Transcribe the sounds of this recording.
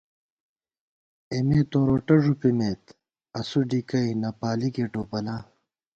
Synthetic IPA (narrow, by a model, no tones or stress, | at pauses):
emeːt̪oːɾoʈɐʐupimet̪ | ɐsuɖikɐinɐpaːlikeʈoːpɐlaː